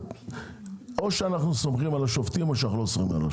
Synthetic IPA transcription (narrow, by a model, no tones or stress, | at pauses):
o̞ʃeanaχnuso̞mχimalaʃoft̪imoʃanaχnulosomima̰la̰